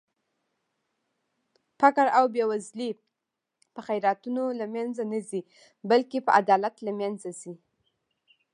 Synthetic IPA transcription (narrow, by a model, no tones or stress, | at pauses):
fakaɾawbewazli | pəxajɾat̪unolamjanzanazi | balkepəʔad̪ɑlat̪lamjanzazi